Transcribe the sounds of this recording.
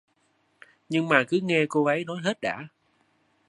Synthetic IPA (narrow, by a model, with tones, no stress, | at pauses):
ɲɨ˧ŋmaː˨˩kɨ˨˦ŋɛ˧ko˧ʔə˨˦jnɔ˨˦jɦe˦˥t̚ɗa̰ː˧˥˨